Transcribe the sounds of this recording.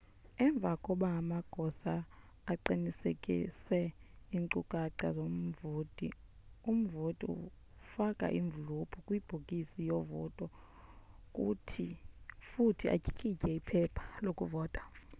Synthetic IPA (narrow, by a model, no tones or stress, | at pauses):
ɛɱb̪vʱakʼɔɓaːmaɡ̥ʱɔsaː | ǃinisḛkʼḭsɛiŋǀukʼaǀazom̩voːdʼʱḭ | um̩votʼḭṵ | fakʼa̰ʔiɱvulupʰukʼwib̥ʱukʼisijɔvɔ̰tʼɔ | kʼṵtʰifutʰiʔa̰cʼi̥kʼicʼɛipʰɛpʰḁlokʼuvɔːtʼḁ